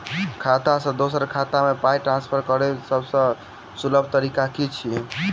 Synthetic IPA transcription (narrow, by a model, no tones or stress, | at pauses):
kʰat̪asə̃d̪osəɾkʰat̪amepajʈɾãnspʰəɾkəɾesəbsə̃ | suləb̚ʱt̪əɾikakit͡ʃʰi